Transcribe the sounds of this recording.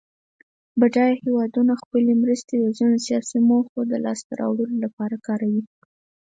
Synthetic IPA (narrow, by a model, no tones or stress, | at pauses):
baʈɑjhewɑd̪unaxpəlemɾəst̪ed̪əzinosijɑsimoxod̪əlɑ̰st̪aɾɑ̰wɽəlolapɑɾakɑɾawi